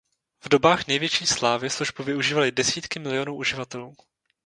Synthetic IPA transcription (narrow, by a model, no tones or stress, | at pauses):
vdo̞baːxnɛjvjɛt͡ʃiːslaːvɪsluʒbuvɪʔuʒiːvalɪdɛsiːt̪kɪmɪlɪo̞nuːʔuʒɪvat̪ɛluː